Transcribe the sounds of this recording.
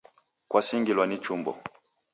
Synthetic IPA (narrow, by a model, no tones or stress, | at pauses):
kwasiŋɡilwanit͡ʃumbɔ̰